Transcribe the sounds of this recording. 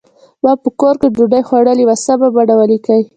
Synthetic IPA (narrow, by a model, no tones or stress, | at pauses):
bapəkoɾkeɖuɖajxwaɽəliwasababaɽawalikaj